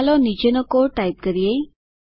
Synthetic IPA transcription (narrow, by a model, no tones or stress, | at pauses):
lɔnid͡ʑənəkoɾʈajp̚kəɾije